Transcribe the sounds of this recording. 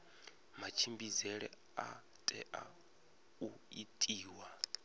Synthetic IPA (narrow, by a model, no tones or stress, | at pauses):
mat͡ʃʰimbizɛɺɛ | a | tʼɛʔa | uitʼiːwa